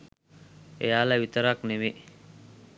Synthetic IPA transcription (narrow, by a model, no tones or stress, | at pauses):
ḛjaːlaʋit̪əɾakneʋe